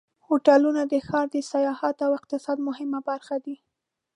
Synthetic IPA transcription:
hoʈalunad̪əxɑɾd̪əsajɑhat̪awɪq̚t̪ɪsɑd̪mʊɦɪmabaɾxad̪i

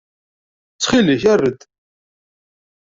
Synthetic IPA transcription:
t͡sːχiləçærːəd̪

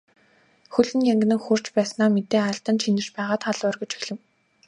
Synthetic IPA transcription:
xɵɮɘ̆njæŋɡʲɘ̆nɘ̆ŋxur̥t͡ɕpæːsnaːmet̪eːăɬt̪ə̆nt͡ɕʰinɘ̥̆t͡ɕpæːʁaːt̪χaɮœrɣɡʲɵ̆t͡ɕi̥xɮɘ̆w

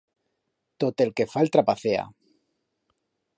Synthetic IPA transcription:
t̪ot̪e̞lke̞falt̪ɾapaθea̰

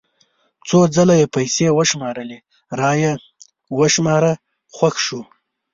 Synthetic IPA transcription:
t͡sod͡zalajepajsewəʃmɑɾəle | ɾɑje | wəʃmɑɾa | xwaxʃu

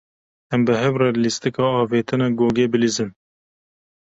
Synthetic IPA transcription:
ɛmbɨɦɛvrɛlist̪ɨkɑːɑːveːt̪ʰɨnɑɡoːɡeːbɨlizɨm

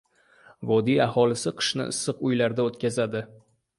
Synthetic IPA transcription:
vɒd̪ijahɒlˠɪsɪqʰɨ̥ʃnɪ̰ɪ̰sːɨqʊjlaɾd̪aot̪kʲʰazad̪ɪ

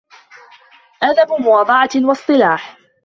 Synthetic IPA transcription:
ʔaðabmʊwɑːd̪ˤɑʕɑwɑsˤt̪ˤɨlaːħ

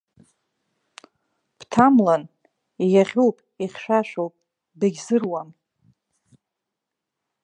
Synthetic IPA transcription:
b̥tʰamlan | ijaʁʲuwpʼ | iχʲʃʷᶣaʃʷᶣowpʼ | bɨɡʲzɨrwam

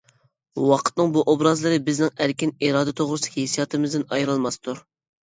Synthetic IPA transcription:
wɑqʰə̥t̪nɨŋbuʔobɾɑzlˠɨɾɨbɪznɪŋæɾkʲiniɾɑːd̪ɨt̪ʰoʁɾɨsɪ̥kʲʰihesijɑt̪ɨmɨzd̪ɨnɑjɾɨlˠmɑst̪ʰuɾ

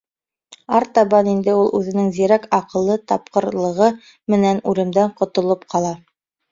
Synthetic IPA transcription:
ɑɾt̪ɑβɑnind̪ɘulˠʔʉðɘ̆nɘŋziɾækɑqɤ̆lˠːɤt̪ɑp̚qɤ̆ɾlˠɤ̆ʁɤ | mɘ̆nænʉlɘ̆md̪æɴqŏt̪ŏlˠopqʰɑlˠɑ

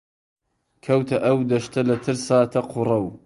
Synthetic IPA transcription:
kʰɐwt̪ʰɐʔɐwd̪ɐʃt̪ʰɐlɐt̪ʰɨɾsaːt̪ʰɐqʰurɐw

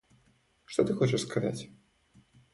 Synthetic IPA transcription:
ʂt̪ɔt̪ɨxɔt͡ʃɛʂskaza̰t͡sʲ

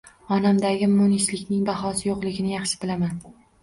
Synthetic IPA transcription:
ɒnamd̪aɡʲɪmonislɪkʲnɪŋbaɦɒsɪjoqlˠɪɡʲɪnɪjɑχʃɪ̥bɪlaman

